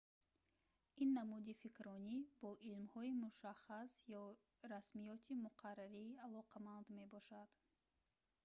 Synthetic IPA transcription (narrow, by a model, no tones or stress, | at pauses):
inːamud̪ifikɾɔnibɔʔilmhɔimuʃaχːasjɔ | ɾasmijɔt̪ʰimuqʰarːaɾiːalɔqʰamand̪me̞bɔʃad̪̥